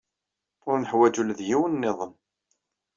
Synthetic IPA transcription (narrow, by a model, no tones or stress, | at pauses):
ʊɾnəħwæd͡ʒulðjiwənːeðˤəm